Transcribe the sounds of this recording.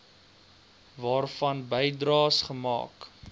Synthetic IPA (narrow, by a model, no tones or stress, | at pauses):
vɑːrfɐnbəjdrɑːsχəmɑ̰ːk